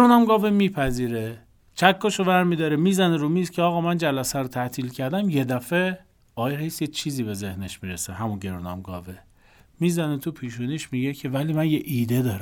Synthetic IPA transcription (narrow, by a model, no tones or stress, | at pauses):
ɾonɒmɡɒːvemiːpʰæziːɾe | t͡ʃʰækʰːoʃovæɾmid̪ɒːɾemiːzæneɾumiːzcʲʰeɒːɣɒːmænd͡ʒælæsæɾot̪ʰæt̪ʰiːlcʰæɾd̪æmje̞d̪æfe | ɒːjeɾhejsjet͡ʃʰiːziːbe̞ze̞hneʃmiːɾeseɦæmunɟe̞ɾunɒ̰mɡɒ̰ːve | miːzænet̪ʰupʰiːʃuːniʃmiːɟecʰe̞væliːmænjeʔiːd̪ed̪ɒːɾ